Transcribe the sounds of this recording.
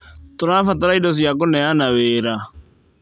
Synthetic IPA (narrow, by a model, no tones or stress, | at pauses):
tʊɾafataɾaidɔs̬ijak̬ʊnɛanaweːɾa